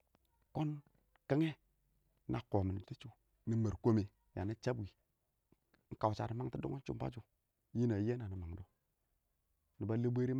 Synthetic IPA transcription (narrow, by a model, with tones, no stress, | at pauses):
ko˦n | ka˦ŋe˦ | nʔa˨ko˨mə˨ni˨ti˦t͡ʃu˨ | ni˦me˨ɾko˦me˨ | ja˨ni˦t͡ʃa˦bi˨˦ | ŋ̩˦ka˨wt͡ʃa̰˨ɾi˨˦ma˦ŋti˦do˦o˦t͡ʃu˦m˦pa̰˦d͡ʒu˦˨ | ji˦na˨je˦na˨ni˨ma˨ŋdo˦ | ni˨ba˦le˦bʷe˦ɾi˦m˦